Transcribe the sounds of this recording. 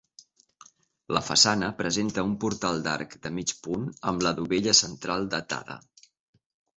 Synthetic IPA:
ləfəsanəpɾəzent̪əumpuɾt̪alˠd̪a̰ɾkd̪əmit͡ʃpunəmləðuβeʎəsənt̪ɾalˠd̪ət̪a̰ðə̰

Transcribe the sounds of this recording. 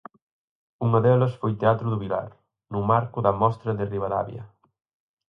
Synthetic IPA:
uŋɐðɛlɐsfojt̪eat̪ɾʊðʊβila̰ɾ | nʊmaɾkʊðɐmɔst̪ɾɐðɪriβala̰βjɐ̰

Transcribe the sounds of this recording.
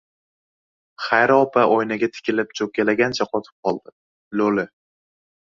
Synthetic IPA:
χajɾɒpʰaʔojnaɡʲat̪ʰɪ̥kʲʰɪlɪp̚t͡ʃʰokʲalaɡʲant͡ʃʰaqʰɒt̪ʰɪ̥p̚qʰɒlˠd̪̥ɪ | lolɪ

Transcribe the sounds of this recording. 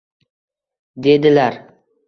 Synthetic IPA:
d̪e̞d̪ɪlaɾ

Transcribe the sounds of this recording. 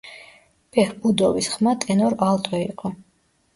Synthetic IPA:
b̥ɛhbud̪ɔvisχmat̪ʼɛnɔɾalt̪ʼɛiqʼɔ

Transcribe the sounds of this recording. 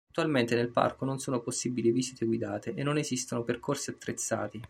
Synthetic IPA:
t̪ːualment̪enelpa̰rkononsoːnoposːibiliviːzit̪ʰeɡwid̪aːt̪eʔenːonezist̪onoperkorsiat̪ːɾet̪sːa̰ːt̪i

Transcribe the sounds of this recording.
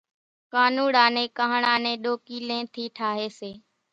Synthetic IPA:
kaːnuːɽaːnẽːkaːɦɳaːnẽːɗoːkiːlẽːt̪ʰiːʈʰaːɦeːseː

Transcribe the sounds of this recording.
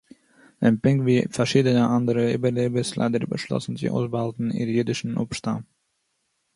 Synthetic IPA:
ʔanpɪŋkviːfɛʃiːdənəʔandəɾəyːbəleːbəslʔa̰ɪdəɾbə̰ʃlɔ̰sn̩zḭːʔa̰ʊsbəhaltn̩ḭɾjydɪʃn̩ʔṵpʃta̰

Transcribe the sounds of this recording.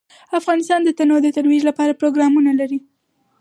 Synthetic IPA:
afɣɑnɪst̪ɑnd̪ət̪anod̪ət̪aɾwid͡ʒlapɑɾapɾoɡɾɑmunalaɾi

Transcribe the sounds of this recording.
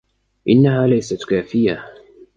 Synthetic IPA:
ʔɪnːahaːlajsat̪kaːfɪja

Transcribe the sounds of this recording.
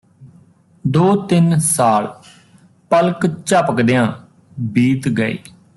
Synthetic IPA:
d̪oːt̪ɪnsaːl | pəlkt͡ʃəpəkd̪ejãː | biːt̪ɡəḛː

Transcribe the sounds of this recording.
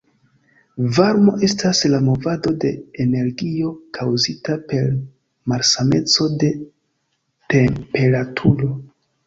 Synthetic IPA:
vaɾmo̞ʔe̞staslamo̞vado̞de̞ːne̞ɾɡio̞kʰawzitape̞ɾ | maɾsame̞t͡so̞de̞ | tempe̞ɾatʰuɾo̞

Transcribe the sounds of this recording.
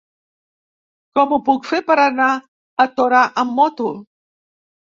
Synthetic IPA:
komupukfepaɾanaː | t̪oɾaʔamːot̪u

